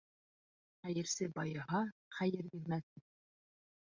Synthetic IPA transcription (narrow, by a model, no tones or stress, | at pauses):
χæjɘ̆ɾsɘbɑjɤ̆ɦɑχæjɘɾjɘ̆ɾmæt̪ɘ